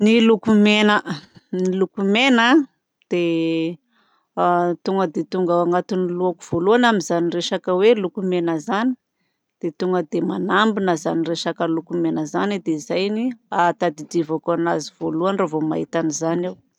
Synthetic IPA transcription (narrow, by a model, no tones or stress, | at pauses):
nilukumenənilukumena | d̪̥e | t̪uŋɡəd̪et̪uŋɡaaŋat̪uniluaku̥v̥oluanaminzanireʃakəwelukumenəzani̥ | d̪̥et̪uŋɡəd̪emanambinəzanireʃakəlukumenəzanid̪eizajniat̪ad̪id̪ivakanaziv̥oluanravoma̰it̪anizanew